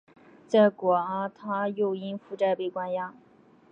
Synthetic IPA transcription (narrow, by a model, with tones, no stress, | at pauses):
t͡sa˥˩ɪkwɔ˨˩a˥t̪ʰa˥jo˥˩ʊi˥nfu˥˧ʈ͡ʂa˥˧ɪpe˥˩ɪkwa˥njɑ˥